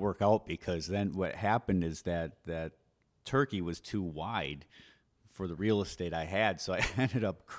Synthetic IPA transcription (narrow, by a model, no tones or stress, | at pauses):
wɜ˞kaʊt̚b̥ɨkʰʌzðɨ̃nwʌt̚hæpɨ̃ndɨzðɨt̪̚ðɨtʰ | ɜ˞kiwʌz̥tʰuwaɪd̥ | fə˞ðəɹil̩ˠəsteɪɾaɪɨd̥soʊaɪɛ̃ndɨɾʌp̚kʰ